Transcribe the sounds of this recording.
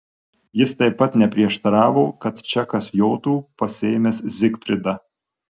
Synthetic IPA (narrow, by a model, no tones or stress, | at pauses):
jɪst̪ɐɪpːɐt̪nʲɛpʲɾʲiɛʃt̪ɐɾɑːʋoːkɐt̪t͡ʃʲɛkɐsjoːt̪uːpɐsʲɛːɪmʲeszʲɪkfʲɾʲɪd̪ɐ